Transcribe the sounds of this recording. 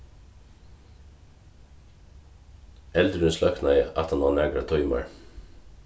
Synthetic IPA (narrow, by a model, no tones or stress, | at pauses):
ʔɛld̪ɾʉnslɑknɑɪʔɑt̪hɑnɑːnæɡɾɑt̪ʰɔʏmɑ̰ɹ